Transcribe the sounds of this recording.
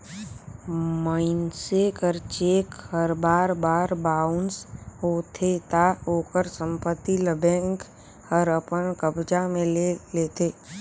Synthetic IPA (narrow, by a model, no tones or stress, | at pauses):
məɪnsekəɾt͡ʃeːkhəɾbaːɾbaːɾbaːʊnsɦoːt̪ʰet̪aoːkəɾsə̃mpət̪ːiləbẽːŋk | həɾəpənkəbd͡ʒamẽleleːt̪ʰeː